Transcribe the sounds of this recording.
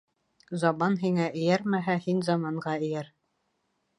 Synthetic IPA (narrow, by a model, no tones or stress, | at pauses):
zɑmɑnɦiŋæʔɘ̆jæɾmæɦæhinzɑmɑɴɢɑɘ̆jæɾ